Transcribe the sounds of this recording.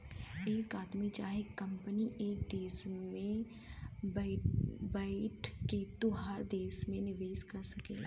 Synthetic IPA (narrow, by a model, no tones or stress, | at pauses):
eːkaːd̪mit͡ʃaːɦekə̃mpəniʔeːk̚d̪eːsmẽ | baːɪʈket̪oɦaɾd̪eːsmẽnɪʋeːskɐɾsɐkḛː